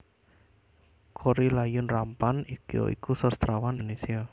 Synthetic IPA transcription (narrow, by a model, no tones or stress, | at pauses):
kʰoɾilajʊnrampanikjo̰ḭkʰusɔst̪ɾawaninesia